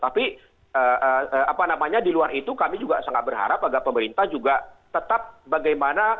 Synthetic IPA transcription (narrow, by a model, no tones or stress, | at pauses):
t̪api | əəəapanamaɲadiluarit̪ukamid͡ʒuɡasaŋat̪̚bərɦa̰ɾapaɡapəməɾint̪ahd͡ʒuɡat̪ət̪ap̚baɡajmana